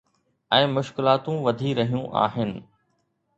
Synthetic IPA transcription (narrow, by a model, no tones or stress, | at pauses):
ɛ̃ːmʊʃkɪlaːt̪ũʋɐd̪ʱiɾɐɦijũʔa̰ːɦɪnɪ̆